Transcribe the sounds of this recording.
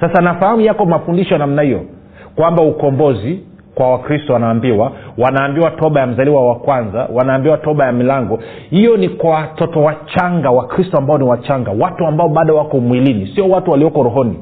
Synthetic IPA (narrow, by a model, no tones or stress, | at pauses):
sasanafahamujakɔmafundiʃɔnamnahijɔ | kwambaukɔmbɔzi | kwawakɾistɔwanaːmbiwawanaːmbiwatɔɓajam̩zaliwawakwanza̰wanaːmbiwatɔɓajamilaŋɡɔ | hijɔnikwawatɔtɔwat͡ʃaŋɡawakɾistɔambaɔniwat͡ʃaŋɡawatuambaɔɓaːɗawakɔmwilinisiɔwatuwaliɔkɔɾɔɦɔni